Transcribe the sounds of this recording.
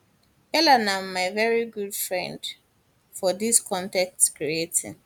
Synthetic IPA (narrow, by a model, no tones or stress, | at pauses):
ɛlanãmmːaɪvɛɹiɡudfɹɛ̃nd | fɔdiskʰɔ̃ntɛk̚tkɹietʰɪ̰̃n